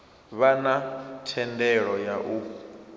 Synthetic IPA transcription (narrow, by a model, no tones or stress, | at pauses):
βanatʰɛndɛɺɔjaʔu